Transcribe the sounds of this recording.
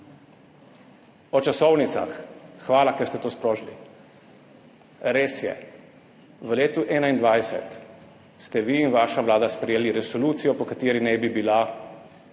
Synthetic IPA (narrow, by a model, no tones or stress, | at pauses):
ɔt͡ʃasɔwnit̪sa̰xxʋaːlakɛɾst̪ɛt̪oːspɾoːʒlḭ | ɾeːsjɛ̰ | ʋəleːt̪uʔɛːnaind̪ʋajsɛ̰t̪ | st̪ɛʋiːnʋaːʃaʋlaːd̪aspɾɛjeːliɾɛsɔluːt̪sijɔpɔkat̪eːɾinɛbibila